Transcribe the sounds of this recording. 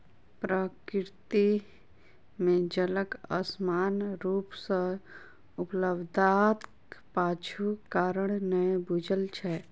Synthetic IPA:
pɾəkɾt̪i | mẽd͡ʒələkə̰smaːnɾuːpsə̃ | ʊpləbd̪at̪ | paːt͡ʃʰukaːɾəɽ̃nəjbud͡ʒəlt͡ʃʰɛ

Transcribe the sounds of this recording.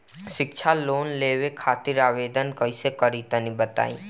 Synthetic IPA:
ʃɪkt͡ʃʰaloːnleːʋekʰaːt̪iɾaːʋed̪ənkəisekəɾit̪ənibət̪a̰ːi

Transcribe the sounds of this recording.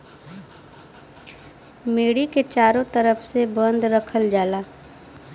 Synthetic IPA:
meːɽiket͡ʃaːɾõt̪ɐɾəfʰsebə̃nd̪ɾɐkʰəld͡ʒaːlaː

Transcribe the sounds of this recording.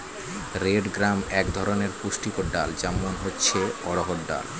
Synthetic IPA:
ɾeɖɡɾamɛkd̪ʱɔɾoneɾpuʃʈikoɖald͡ʑɛmonɦotːɕʰeɔɽoɦoʈɖa̰l

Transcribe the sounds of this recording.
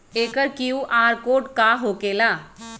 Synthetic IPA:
eːkəɾkiuʔaːɾkoːʈkaɦoːkeːlaː

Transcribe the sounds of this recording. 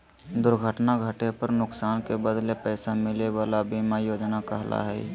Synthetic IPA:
d̪ʊɾɡʱəʈnaɡʱəʈepəɾnʊksaːnkebəd̪lepɛːsamɪleʋaːlabimajoːd͡ʒnakəɦlʔa̰ɦɛ̰ː

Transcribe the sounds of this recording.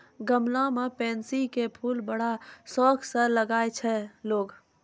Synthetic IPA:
ɡəmlamepɛnsikepʰulbəɽ̤asɔkʰsələɡaet͡ʃʰɛloːɡ

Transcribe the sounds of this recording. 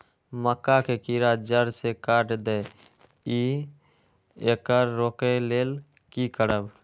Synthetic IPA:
məkːakekiɾad͡ʒəɾsekaʈd̪ɛ | i | ekəɾːokeleːl | kikəɾəb

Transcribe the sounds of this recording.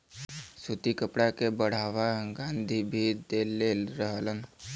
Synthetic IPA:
sut̪ikəpɽakebəɽ̤aːʋaɡãːnd̪ʱibʱid̪elelɾəɦələn

